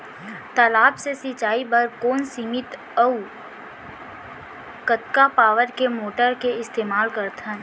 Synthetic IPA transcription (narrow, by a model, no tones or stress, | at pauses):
t̪əlaːbsesɪt͡ʃaːibɐɾkoːnsimɪt̪ | əu | kət̪kapaːʋəɾkemoːʈəɾkeɪst̪eːmaːlkəɾt̪ʰə̃n